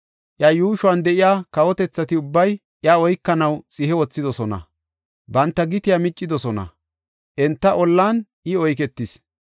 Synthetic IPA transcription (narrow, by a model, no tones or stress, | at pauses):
ʔjɐjuːʃʊwɐnd̪ɛʔɪjaːkɐwɔt̪ɛt͡sːɐt̪ɪʊbːɐj | ʔjɐɔjkːɐnɐwt͡sʼɪhɛwɔt͡sːɪd̪ɔsɔnɐ̰ | bɐnt̪ːɐɡɪt̪ɪjamɪt͡ʃʼːɪd̪ɔsɔnɐ̰ | ʔɛnt̪ːɐʔɔlːaːnʔɪɔjk̬ɛt̪ːɪs